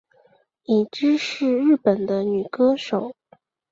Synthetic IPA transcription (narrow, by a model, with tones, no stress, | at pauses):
i˨˩ʈ͡ʂɻ̩˥ʂɻ̩˥˧ɻɻ̩˥˩pə˨˩nd̪ə˦ny˨˩kɤ˥ʂo˨˩˦ʊ